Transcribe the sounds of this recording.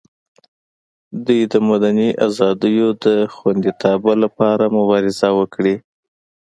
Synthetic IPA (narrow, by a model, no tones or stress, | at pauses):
d̪ujd̪əmad̪aniʔazɑd̪əjod̪əxwand̪it̪ʰɑbalapɑɾamʊbɑɾɪzawəkɽi